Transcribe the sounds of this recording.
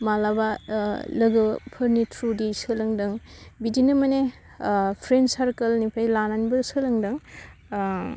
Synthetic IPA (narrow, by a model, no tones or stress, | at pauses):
malabalɯɡɯpʰɯɾnitʰɾudisɯlɯŋdɯŋbidinɯmɐne | pʰɾensaɾkɐlnipʰajlananibɐsɯlɯŋdɯŋ